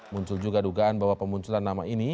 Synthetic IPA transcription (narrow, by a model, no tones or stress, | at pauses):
muɲt͡ʃʊld͡ʒuɡaduɡaanbawapəmuɲt͡ʃulanːamaini